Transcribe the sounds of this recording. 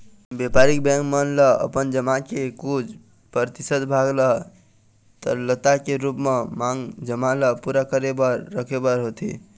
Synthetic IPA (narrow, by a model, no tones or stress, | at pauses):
bepaɾik̚bɛ̃ŋkmənləə̰pənd͡ʒəmakekud͡ʒ | pɾəɾt̪isəd̪bʱaɡlə | t̪ə̰ɾlət̪akeɾupmemaŋɡd͡ʒəmaləpuɾakəɾebəɾːəkʰebəɾɦot̪ḭ